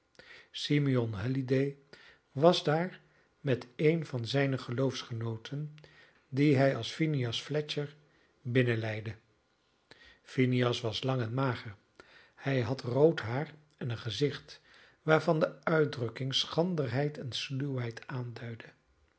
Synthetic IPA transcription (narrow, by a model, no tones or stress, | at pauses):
simiɔnɦɛlidej | ʋɑzdaːɹ | mɛtejnvɑnzɛjnəχəlowfsχənowtʰən | diɦɛjɑlˠsfiniɑsflɛt͡ʃəɹ | bɪnəlɛjdə | finiɑsʋɑslɑŋɛnmaːχəɹ | hɛjɦɑtrowtɦaːr | ɛnənχəzɪχt | ʋaːɹvɑndəœɥdrɵkɪŋsχɑndəɹɦɛjtʰɛnsliwɦɛjtʰaːndœɥdə